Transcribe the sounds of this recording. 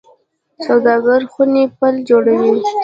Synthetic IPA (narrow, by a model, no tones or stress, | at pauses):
sawd̪ɑɡaɾxunepəld͡ʒoɽawi